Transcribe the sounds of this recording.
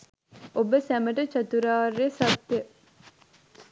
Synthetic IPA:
ʔobəsæmɐʈɐt͡ʃɐt̪uɾaːɾːesɐb̚t̪ːe

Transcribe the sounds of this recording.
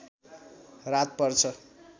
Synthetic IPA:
rat̪̚pʌrt͡sʰʌ

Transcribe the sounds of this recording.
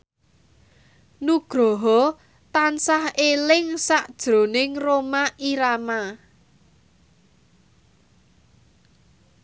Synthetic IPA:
nuɡ̥ɾɔ̤ɦɔ | t̪ansahelɪŋsaʔd̥ʒ̥ɾo̤nɪŋromaʔiɾama

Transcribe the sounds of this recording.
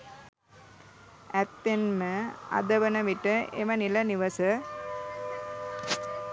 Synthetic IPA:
ɛt̪ːenməɐ̰d̪ɐʋənɐʋiʈəʔḛmɐnilɐniʋɐsə

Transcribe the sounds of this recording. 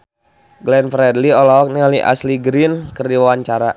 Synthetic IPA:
ɡlɛnfɾɛdliɔlɔɔk̚nialiʔa̰sliɡɾinkərdiwawaɲt͡ʃaɾa

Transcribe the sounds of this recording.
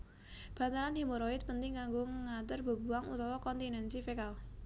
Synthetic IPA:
b̥a̤nt̪alanhimoɾɔɪt̪̚pənt̪ɪŋkaŋɡoŋat̪ərbə̤buaŋṵt̪ɔwɔkɔnt̪inɛnsifekal

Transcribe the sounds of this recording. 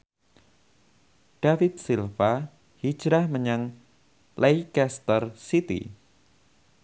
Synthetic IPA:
ɖ̥afɪt̪̚silfa | hi̥d͡ʒɾahməɲaŋ | lʔejkɛst̪ərsit̪ḭ

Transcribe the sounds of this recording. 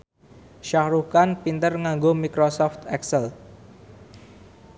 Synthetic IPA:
ʃahɾukanpint̪ərŋaŋɡomikɾosɔft̪ɛksɛl

